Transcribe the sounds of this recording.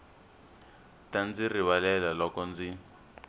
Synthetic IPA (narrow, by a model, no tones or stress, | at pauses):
tand͡ziriβalɛlalɔkɔnd͡zi